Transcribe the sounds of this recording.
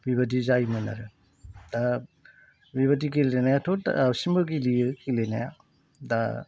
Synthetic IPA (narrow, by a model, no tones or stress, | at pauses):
bibɐd̬izajmɯna̰ɾɯ | da | biβadikileenajatʰotsimbɯɡiliɯkilena̰ja̰ | da̰